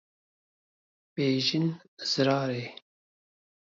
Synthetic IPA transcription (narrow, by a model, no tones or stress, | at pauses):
b̥eːʒin | z̥ɨɾɑːɾeː